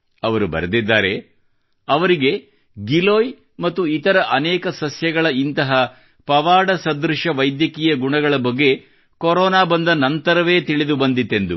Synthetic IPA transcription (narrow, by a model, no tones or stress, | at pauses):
ɐʋɐɾubɐ̰ɾɐd̪id̪ːaːɾe̞ | ɐʋɐɾiɡe̞ | ɡiloːj | mɐt̪ːuit̪ɐɾɐʔɐnɛːkɐsɐsjɐɡɐɭɐint̪ɐɦɐ | pɐʋaːɽɐsɐd̪ɾuʂɐʋɐjd̪jɐkiːjɐɡuɳɐɡɐɭɐbɐɡːe̞ | kɔɾɔːnaːbɐnd̪ɐnɐnt̪ɐɾɐʋe̞ːt̪iɭid̪ubɐnd̪it̪ːe̞nd̪u